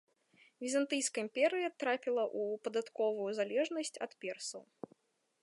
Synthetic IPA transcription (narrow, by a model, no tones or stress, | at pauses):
vʲizant̪ɨjskɐimpʲɛɾɨjɐt̪ɾapʲilˠɐʔupɐd̪at̪kɔvujuzalʲɛʐnɐsʲt͡sʲɐ̰t̪pʲɛrsɐw